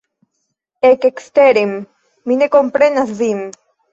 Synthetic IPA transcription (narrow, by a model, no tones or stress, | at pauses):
ekekst̪eɾemː | inekompɾenazðim